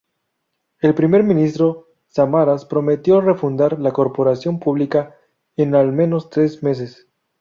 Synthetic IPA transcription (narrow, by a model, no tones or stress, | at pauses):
e̞lpɾime̞ɾmĩnist̪ɾo̞ | samaɾaspɾo̞me̞t̪jo̞re̞fund̪aɾlako̞ɾpo̞ɾasjo̞mpuβlika | enalme̞no̞st̪ɾe̞sme̞s̬es